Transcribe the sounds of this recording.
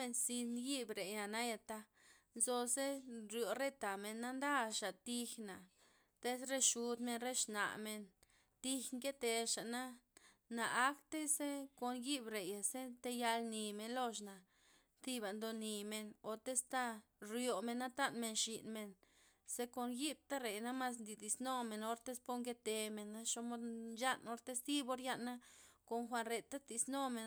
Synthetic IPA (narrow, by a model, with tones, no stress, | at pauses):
me˧nsi˧nji˦bɾe˨ja˨na˦ja˧t̪a˧ | nzo˧ze˦ɾjo˨ɾe˦t̪a˨me˧nːa˦nd̪a˦ʃa˨t̪i˧xna˨ | t̪e˦sɾe˦ʃu˧d̪me˧nɾe˦ʃna̰˨ʔme˧n | t̪i˧xŋke˦t̪e˧ʃa˨ʔna˦naː˨˦kt̪e˦se˦ko˧nji˦bɾe˨ja˨se˦t̪e˧ja˧lni˨me˧nlo˦ʃ̬na˨ | t̪i˦ba˨nd̪o˧ni˨˧me˧no˨t̪e˦st̪a˦ | ɾjo˨me˧nːa˦t̪a˦nme˧nʃi˨nme˨n | se˦ko˧nji˦b̚t̪a˦ɾe˨jna˦ma˦s̬nd̪i˨d̪i˨sno˦me˨no˧ɾt̪e˦spo˦ŋɡe˦t̪e˧me˨nːa˦ʃo˧mo˦d̪nja˦no˧ɾt̪e˦st̪i˦bo˧ɾja˦ʔnːa˦ko˨nxʷa˧nɾe˨t̪a˦t̪i˧sno˦me˧˨